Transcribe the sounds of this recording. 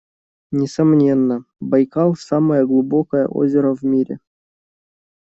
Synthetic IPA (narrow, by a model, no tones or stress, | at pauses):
nʲesɐmnʲenːə | bɑjkɑlˠsɑməjəɡlˠubokəjə̰ʔo̰zʲɪɾəvʲmʲiɾʲḛ